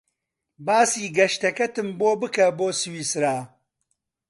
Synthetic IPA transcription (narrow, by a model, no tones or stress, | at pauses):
baːsiːɡɐʃt̪ɐkɐt̪ɨmboːbɨkɐboːsɨwiːsɾaː